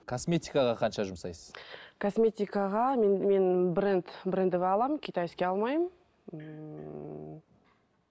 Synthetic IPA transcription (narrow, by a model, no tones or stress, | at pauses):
kʰosmʲe̞t̪ʲikaʁɑqʰɑnʃɑʒʊmsɑ̰jsəz̥kʰosmʲe̞t̪ʲijkaʁɑmme̞nbɪɾɪnt̪bɪɾɪnd̪ɪvɑlˠɑmkʲʰejt̪ɑjɪskʲe̞ɑlˠmɑjəm